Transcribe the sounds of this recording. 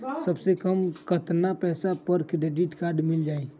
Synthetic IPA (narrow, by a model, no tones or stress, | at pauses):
səbsekəmkət̪napɛːsapəɾkɖed͡ʒɪʈkaːɾɖmɪld͡ʒaːeː